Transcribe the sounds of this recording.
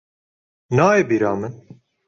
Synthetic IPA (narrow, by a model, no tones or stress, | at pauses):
naːebiɾaːmɨn